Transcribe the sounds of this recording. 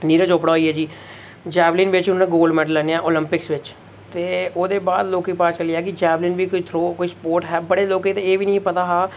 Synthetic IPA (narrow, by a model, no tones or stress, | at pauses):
niːɾãt͡ʃoːpɽaːɦoːiːɛːd͡ʒiː | d͡ʒɛːbliːnʋɪt͡ʃʊnaːnẽːɡoːlɖmɛːɖəlːɛːneːãːʔoːlɪmpɪksʋɪt͡ʃ | t̪eːoːd̪eːbaːd̪loːkiːpaːt͡ʃəliːɛːk̬ɪd͡ʒɛːbliːnʋiːkoit̪ʰɾoːkoiːspoːɾʈɦɛːbəɽeːloːkeːt̪ẽːeːʋiːnəĩːpət̪aːɦaː